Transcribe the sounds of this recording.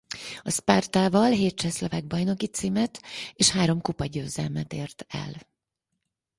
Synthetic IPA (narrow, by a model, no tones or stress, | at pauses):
ɒspart̪aːvɒlɦeːt̪̚t͡ʃɛslovaːɡ̚bɒjno̞kit̪siːmɛt̪eːʃhaːɾo̞mkupɒɟøːzɛlmɛt̪eːrt̪ɛ̰l